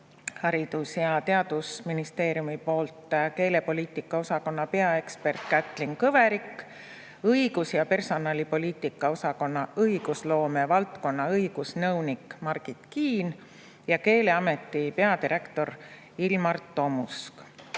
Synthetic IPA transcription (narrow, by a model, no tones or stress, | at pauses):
hɑɾid̪̥usjɑt̪e̞ɑd̪̥usminist̪e̞ːɾijumipo̞ːlt̪ˑke̞ːle̞po̞lʲiːt̪ːˑikːˑɑo̞sɑko̞nːɑpe̞ɑe̞kspe̞rt̪kæt̪ːˑliŋkɤve̞ɾikː | ɤjɡ̥usjɑpe̞rso̞nɑlipo̞lʲiːt̪ːˑikːˑɑo̞sɑko̞nːɑɤjɡ̥uslo̞ːme̞vɑlt̪ko̞nːɑɤjɡ̥usnɤwnikmɑrɡit̪kiːn | jɑke̞ːle̞ɑme̞t̪ːˑipe̞ɑd̪iɾʔe̞kt̪o̞r | ilmɑrt̪ːo̞musk